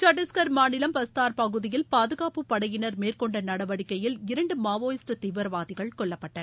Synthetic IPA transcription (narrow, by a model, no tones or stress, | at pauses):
t͡ʃɐʈːɪskɐɾmaːnɪlɐmpɐst̪aːɾpɐɣɯðɪjɪlpaːðɯɣaːpɯpːɐɽɐjɪnɐɾmeːrkɔɳɖɐnɐɽɐʋɐɽɪkːɐjɪlɪɾɐɳɖɯmaːʋoːjɪsʈɐt̪iːʋɐɾʋaːðɪɣɐɭkɔɭːɐpːɐʈːɐ